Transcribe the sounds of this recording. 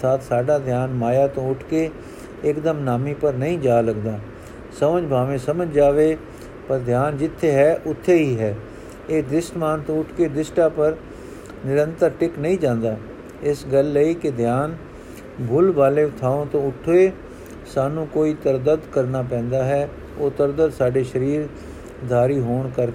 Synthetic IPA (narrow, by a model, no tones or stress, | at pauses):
t̪ʰaːt̪saːɖaːd̪ʱjaːnmaːjaːt̪õʊʈʰke | ɪkd̪əmnaːmiːpəɾnəɦĩd͡ʒaːləɡd̪aː | səməd͡ʒbʱaːʋẽːsəməd͡ʒd͡ʒaːʋeː | pəɾd̪ʱjaːnd͡ʒɪt̪ʰːeɦɛːʔʊt̪ʰːeɦiːɦɛː | eːd̪ɪsʈmaːnt̪õːʊʈʰked̪ɪsʈaːpəɾ | nɪɾə̃nt̪əɾʈɪknəĩːd͡ʒãːnd̪aː | ɪsɡəlːəiked̪ʱjaːn | bʱʊlbaːleːʊt̪ʰaːõːt̪õːʊʈʰoeː | saːnũːkoːiːt̪əɾd̪əd̪kəɾnaːpɛ̃ːnd̪aːɦɛː | oːt̪əɾd̪əd̪saːɖeːʃəɾiːɾ | d̪ʱaːɾiːɦoːɳkəɾ